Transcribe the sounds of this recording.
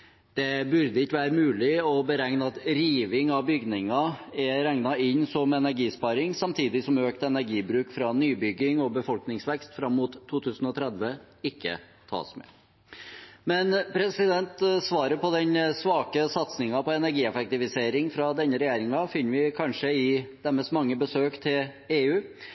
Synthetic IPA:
d̪̥ɛbʉɾd̪əɪkːəʋæːɾəmʉːlɪɔbəɾæŋnɑt̪ɾiːʋɪŋɑʋbʏɡnɪŋɑɛɾæŋnɑɪnːsɔmɛnæɾɡiːspɑːɾɪŋsɑmt̪ʰiːd̪ɪsɔmøːkt̪ɛnæɾɡiːbɾʉːkfɾɑnyːbʏɡɪŋɔbəfɔlknɪŋsʋɛkst̪fɾɑmːuːt̪ʰːuːt̪ʰʉːsn̩ɔt̪ʰɾɛd̪ʋə | ɪkːə̰ | t̪ʰɑ̰ːsmɛ̰ː | mɛnpʰɾɛsɪd̪ɛnt̪sʋɑːɾəɾpʰɔd̪ɛnsʋɑːkəsɑt̪snɪŋɑpɔɛnæɾɡiːɛfɛk̚t̪ɪfɪseːɾɪŋfɾɑd̪ɛnːəɾɛjæːɾɪŋɑfɪnːʋɪkʰɑnʂəɪd̪̥ɛməst̪mɑŋːəbəsøːkt̪ʰɪl | eːʉː

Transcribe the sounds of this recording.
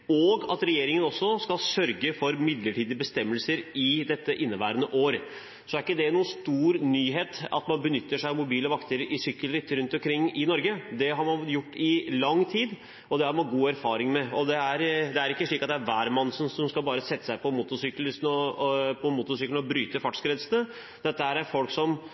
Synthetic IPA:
ɔɡɑt̪ɾɛjeːɾɪŋənɔsːɔskɑlsœɾɡəfɔɾmɪd̪ləʈʰiːd̪əbəst̪ɛmːəlsəɾɪd̪ɛt̪ːəʔɪnːəʋæːɾənəʔoːɾ | sɔæɾɪkːəd̪ɛnuːnst̪uːɾnyːɦeːt̪ɑ̰t̪mɑnbənʏt̪ːəʂæɪmʊbiːləʋɑkt̪ʰəɾəɾʔɪsʏkːəlɾɪt̪ːɾʉnt̪ɔmkʰɾɪŋːɪnɔɾɡəd̪ɛɦɑɾmɑnjʊʈːɪlɑŋːt̪ʰiːd̪ | ɔd̪ɛhɑɾmɑnɡuːæɾfɑːɾɪŋmɛɔd̪ɛæɾd̪ɛæɾɪkːəʂɭiːkɑt̪d̪æɾʋæːɾmɑnːsɔmsɔmskɑlbɑːɾəsɛt̪ːə̥sæɪpʰɔmʊt̪ʊsʏkləsnɔpʰɔmʊt̪ʊsʏkəlɔbɾyːt̪əfɑʈskɾɛd̪sənə | d̪̥ɛt̪ːəhæːɾæɾfɔlksɔm

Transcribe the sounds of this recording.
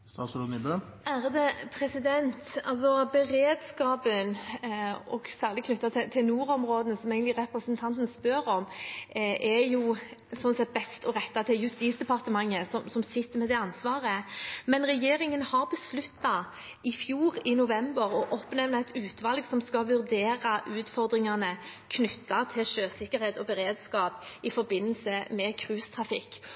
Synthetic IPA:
st̪ɑslɔnɪbø | æːɾd̪ɛpʰɾɛsɪd̪ɛnt̪ɑ̰lsɔbəɾeːd̪skɑːpən | ɔ̰ɡ̥sæːɾlɪkʰnʉt̪ːɑt̪ʰɪt̪ʰɪlnuːɾɔmɾoːd̪ənəsɔmeɪɡənlɪɾɛpɾəsənt̪ʰɑnt̪n̩spœɾɔm | ɛjʊsɔnsɛt̪̚bɛst̪ʰɔɾɛt̪ːɑt̪ʰɪljʉst̪iːsd̪ɛpʰɑɾt̪əmɑŋːəsɔmsɔmsɪt̪ːəɾmɛd̪ɛɑnsʋɑːʁəmɛnɾɛjeːɾɪŋənhɑɾbəslʉt̪ːɑ | ɪfjuːɾɪnʊʋɛmbəɾɔʔɔpnɛʋnɑɛt̪ʉːt̪ʰʋɑlɡsɔmskɑʋʉɾd̪eːɾɑʔʉːt̪fɔɾd̪ɾɪŋɑnəkʰnʏt̪ːɑt̪ʰɪlʃøːsɪkːəɾheːt̪ɔbəɾeːd̪skɑːpɪfɔɾbɪnːəlsəmɛkʰɾʉːst̪ʰʁɑfɪkː

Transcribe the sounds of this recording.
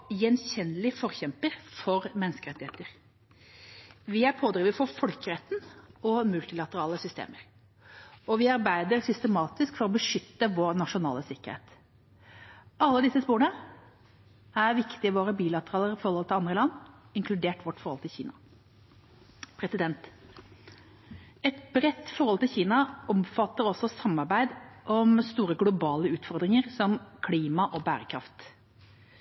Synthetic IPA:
jɛnçɛnːəlɪfɔɾçɛmpəɾfɔɾmɛnːskəɾɛt̪ːɪhḛːt̪əɾ | ʋɪæɾpʰoːd̪ɾiːʋəfɔɾfɔlkəɾɛt̪ːn̩ɔmʉlt̪ɪlɑt̪əɾɑːləsʏst̪ḛːməɾ | ɔʋɪɑɾbæɪd̪əɾsʏst̪əmɑːt̪ɪskfɔɾɔbəʂʏt̪ːəʋoːɾnɑʂʊnɑ̰ːləsɪkːəɾhḛːt̪ | ʔɑlːəd̪ɪsːəspoːɾənə | æɾʋɪkt̪ɪɪʋoːɾəbiːlɑt̪əɾɑːləɾfɔɾhɔlt̪ʰɪlɑnd̪ɾəlɑnːɪŋkʰlʉd̪eːʈʋɔʈːfɔɾɔlt̪ɪlçḭːnɑ | pʰɾɛsɪd̪ɛnt̪ | ɛt̪bɾɛt̪ːfɔɾɔlt̪ɪlçiːnɑɔmfɑt̪ːəɾɔsːɔsɑmːɑɾbæɪd̪ʔɔmst̪uːɾəɡlʊbɑːləʉːt̪fɔɾd̪ɾɪŋəɾsɔmkʰliːmɑʔɔbæ̰ːɾəkʰɾɑ̰ft̪

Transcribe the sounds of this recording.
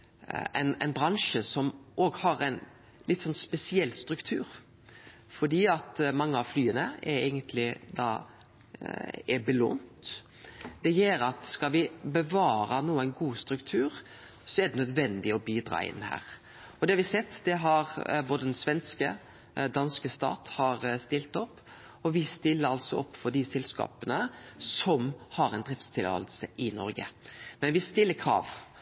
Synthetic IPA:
æ̰næɪnbɾɑŋʂəsɔmʔoːɡhɑɾæɪn | lɪt̪ːsɔnspɛsɪɛlːst̪ɾʉkt̪ʰʉːɾ | fɔɖ̪iːɑt̪mɑŋːəɑʋflyːənəɛɾæɪɡənt̪ʰlɪd̪ɑ̰ː | ɛbəlo̰ːnt̪ | d̪̥ɛjeːɾɑt̪skɑlʋɪbəʋɑːɾɑnuːəæɪnɡuːst̪ɾʉkt̪ʰʉːɾ | sɔɛd̪ɛnœd̪ʋɛnd̪ɪɔbiːd̪ɾɑ̰ːɪ̰nːhæ̰ːɾ | ɔd̪ɛhɑɾʋɪsɛt̪ːd̪ɛɦɑɾboːd̪əd̪ɛnsʋɛnskə | d̪ɑnskəst̪ɑ̰ːt̪hɑɾst̪ɪlt̪ɔpː | ɔʋɪst̪ɪlːəɾɑlsɔɔpːfɔɖ̪ɪsɛlskɑ̰ːpənəsɔmhɑɾɛɪnd̪ɾɪft̪st̪ʰɪlɑ̰ːlsəʔɪnɔ̰ɾɡə̰mɛnʋɪst̪ɪlːəkʰɾɑ̰ːʋ

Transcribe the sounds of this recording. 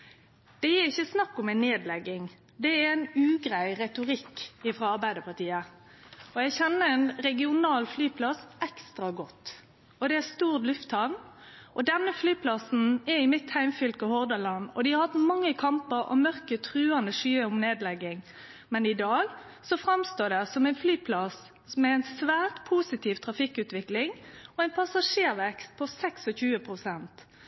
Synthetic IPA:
d̪̥ɛjiːɪçːəsnɑkːʊmɛnːeːd̪lɛɡːɪŋ | d̪ɛææɪnʉːɡɾæɪʁɛt̪ʊɾɪkːɪfɾɑːɑɾbæɪd̪əpɑt̪iːə | ɔjæɡçɛnːəɛnɾɛɡɪʊnɑːlflyːpʰlɑsɛkst̪ɾɑɡɔt̪ː | ɔd̪ɛæst̪uːʁt̪lʉft̪hɑʋn | ʔɔd̪ɛnːəflyːpʰlɑsn̩ɛɪmɪt̪hæɪmfʏlkəhɔʁd̪ɑlɑnɔ̰d̪ɪhɑɾhɑt̪mɑŋːəkʰɑmpəɾɔ̰mœʁkət̪ʰʁʉːɑnd̪əʂyːəʊmneːd̪lɛɡɪŋ | mɛnɪd̪ɑːɡ | sɔfɾɑmst̪oːd̪ɛsɔmæɪnflyːpʰlɑs | smɛæɪnsʋæːʁt̪pʰuːsɪt̪ʰiːʋt̪ʰʁɑfɪkʉːt̪ʋɪklɪŋɔæɪnpʰɑsɑʂeːɾʋɛkst̪̚pʰɔsɛksɔçʉːəpʰʁʊsɛnt̪

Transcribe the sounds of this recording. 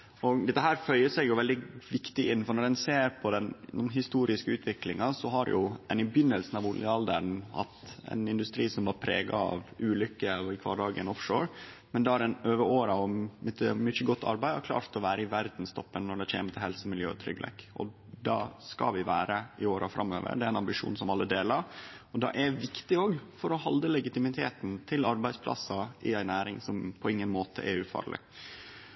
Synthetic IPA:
ɔd̪ɛt̪ːəɦæːɾfœʏəsɛɡjʊʋɛld̪ɪʋɪkt̪ɪɪnːfɔɳɔɾɛnseːɾpʰɔd̪ɛnɦɪst̪uːɾɪskəʉːt̪ʰʋɪklɪŋɑsɔɦɑɾjʔʊɛ̰nɪbjʏnːəlsn̩ɑʋʊləɑld̪əɳɑ̰t̪ɛ̰nɪnd̪ʉst̪ɾiːsɔmʋɑːpʰɾḛːɡɑ̰ɑ̰ʋʉːlʏkːəɪkʰʋɑ̰ːɖɑːɡənɔfʂoːɾ | mɛnd̪ɛæɾɛnøːʋəoːɾɑɔmɪt̪ːəmʏçəɡɔt̪ʰːɑ̰ɾbæɪɑkʰlɑ̰ːɾt̪ɔʋæːɾəɪʋæɾd̪n̩st̪ʰɔpːənːɔɖ̪ɛçḛːmət̪ʰɪlhɛlsəmɪljø̰ːt̪ʰɾʏ̰ɡlɛ̰kɔ̰ | d̪ɑskɑ̰ʋɪʋæːɾəɪoːɾɑfɾɑmːø̰ːʋə̰ɖɛæɾæɛnɑmbɪʂṵːnsɔmɑlːəd̪eːlɑɾɔd̪ɑ̰ʔæʋɪkt̪ɪoːɡfɔɾɔhɑld̪əlɛɡɪt̪ɪmɪt̪ʰeːt̪nt̪ʰɪlɑɾbæɪspʰlɑ̰sɑɪæɪnæːɾɪŋsɔmpʰɔɪŋːənmoːt̪ʰə̰ʔɛɾʉːfɑ̰ːɾɭɪ̰

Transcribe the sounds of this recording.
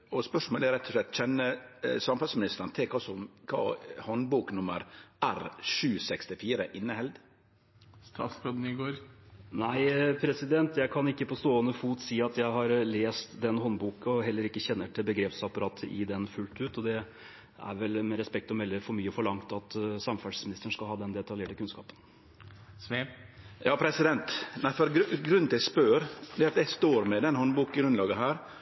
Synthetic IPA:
ɔspœʂmoːlæɾɛt̪ʰːɔʂɭɛt̪ːc͡çɛnːəsɑmfɑlsmɪnɪst̪əɾnt̪ʰɛkʰɑsɔmkʰɑ̰ːhɔnbuːknʊməɾæɾʂʉːsɛkst̪ɪfiːɾəʔɪnːəhɛld̪ | st̪ʰɑ̰ːsfɾod̪n̩ɪɡoːɾnæɪpʰɾɛsɪd̪ɛnt̪jæɪkʰɑnɪkːəpʰɔst̪oːənəfuːt̪siːɑt̪jæɪɦɑɾleːst̪d̪ɛnhɔnbuːkɔɦɛlːəɾɪkːəçɛnːəʈʰɪlbəɡɾeːpsɑpɑɾɑːt̪ʰəɪ̰d̪ɛnfʉlt̪ʉːt̪ɔd̪ɛ | æ̰ɾʋɛlmɛɾɛspɛk̚t̪ɔmɛlːəɾfɔɾmyːəɔfɔɭɑŋt̪ɑt̪sɑmfæʂsmɪnɪst̪əɳ̩ʂkɑlɦɑːd̪ɛnd̪ɛt̪ɑljeːʈəkʉnskɑ̰ːpən | jɑːpʰɾɛsɪd̪ɛnt̪næɪfɔɾɡɡɾʉnʰɪspøːɾd̪ɛɑt̪jæɪst̪oːɾmɛd̪ɛnhɔnbuːkɪɡɾʉnlɑːɡəɦæːɾ

